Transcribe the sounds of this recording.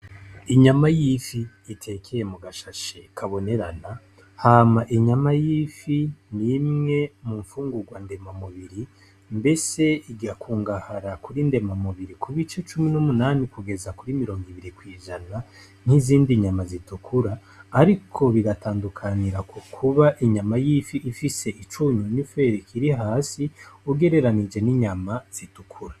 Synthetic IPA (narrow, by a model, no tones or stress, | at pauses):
iɲamajifiː | tʰe̞kʰe̞je̞muɡaʃaʃekʰaβo̞ne̞ɾana | haːmaʔiɲamajiːfinimŋe̞muɱfuːŋɡuɡwande̞mamuβiɾi | mbe̞se̞iɡiakʰuːŋɡahaɾakuɾinde̞mamuβiɾikʰuβit͡ʃe̞t͡ʃuminumunaːnikuɡe̞zakuɾimiɾo̞ːŋɡiβiɾikwiːʒana | n̥hiziːndiɲamazitukʰuɾaː | ɾikʰo̞βiɡatʰaːndukʰaniɾakokʰuβaʔiɲamajiːfiʔifise̞ʔit͡ʃuɲunife̞ɾikʰiɾiɦaːsiuɡe̞ɾe̞ɾanid͡ʒe̞niɲamaz̥itukʰuɾa